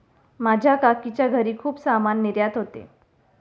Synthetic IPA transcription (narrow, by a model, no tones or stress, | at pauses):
mad͡ʑʱjakakit͡ɕjaɡʱəɾiːkʰuːpsamanːiɾjat̪ɦot̪ḛ